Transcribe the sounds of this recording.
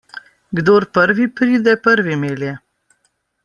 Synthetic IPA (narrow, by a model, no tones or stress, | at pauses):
ɡd̪oːɾpəɾʋipɾiːd̪ɛpəɾʋimeːljɛ